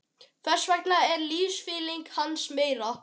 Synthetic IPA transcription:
fɛ̥svɛkt̪laɛɾliːsfiːliŋkhansmeːjɾa

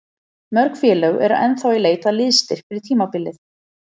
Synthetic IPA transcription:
mœɾkfjɛːlœɣɛ̰ɾa̰ɛnθawileːjt̪alɪðst̪ɪr̥kfɪɾɪt̪ʰiːmapɪlːɪθ

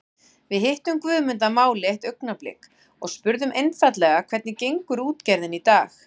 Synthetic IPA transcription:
vɪðɦɪht̪ʏmkvʏːðmʏnt̪amaːwlɛht̪œɥknaplɪ̰k | ɔɣspʏɾðʏmʔejnfat̪lɛɣakʰvɛɾt̪nɪcejŋkʏɾuːt̪cɛɾðɪnit̪aːx

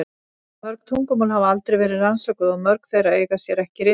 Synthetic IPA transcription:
mœɾkt̪ʰuŋkʏmɔːlɦavalt̪ɾejvɛːɾɪðransœjkʏðɔɣmœɾkθejɾaeːjɣasjɛɾɛhcɪɾɪ

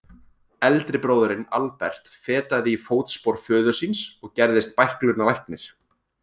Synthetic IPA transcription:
ɛlt̪ɾɪpɾoːwðʏɾɪnalpɛ̰r̥t̪fɛːt̪aðɪːfoːwt̪spoɾfœːðʏsinsɔɣcɛɾðɪst̪̚pajhklʏnalajhknɪɾ̥

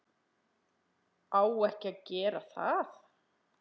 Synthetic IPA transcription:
aːwɛhcɪaðcɛːɾaθaθ

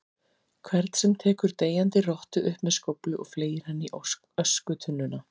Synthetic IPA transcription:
kʰvɛɾt̪n̥sɛmt̪ʰɛːkʏɾt̪eːjant̪ɪrɔht̪ʏʔʏhpmɛðskowplʏʔɔ̰ɣfleːjɪɾ̥hanːɪiʔ | œskʏt̪ʰʏnːʏna

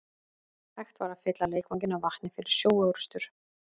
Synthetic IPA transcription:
θajxt̪vaɾaðfɪt̪laleːjkvaɲcɪnavaht̪nɪfɪɾɪɾ̥sjoːwœwɾʏ̥st̪ʏɾ̥

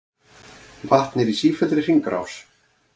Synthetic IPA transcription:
vaht̪nɪɾisiːfɛlt̪ɾɪr̥iŋkɾa̰ws

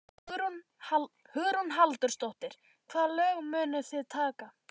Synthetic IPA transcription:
hʏɣɾɔnɦalt̪ʏɾ̥st̪oht̪ɪɾ̥ | kʰvaðlœːɣmʏːnʏθɪðt̪ʰaːka

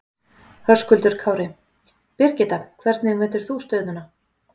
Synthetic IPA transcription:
hœskʏlt̪ʏɾ̥kʰaːwɾɪ | pɪr̥cɪt̪ḁkʰvɛɾt̪nɪmvɛːht̪ʏɾ̥θust̪œːɥtnʏna

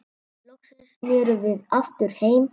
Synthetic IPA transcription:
lɔksɛnsmɛːɾʏvɪðaft̪ʏɾ̥heːjm

